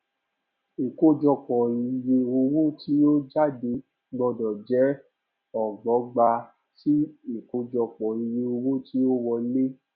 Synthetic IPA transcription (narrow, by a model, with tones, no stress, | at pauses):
i˨ko˦d͡ʒɔ˧k͡pɔ̃˨i˧je˧o˧wo˦ti˦o˦d͡ʒa˦˨de˧ | ɡ͡bɔ˧dɔ̃˨d͡ʒɛ˨˦ | ɔ˨ɡ͡bɔ˨˦ɡ͡ba˧ | ti˦i˦˨ko˦d͡ʒɔ˧k͡pɔ̃˨i˧je˧o˧wo˦ti˦o˦wɔ˧˦le˦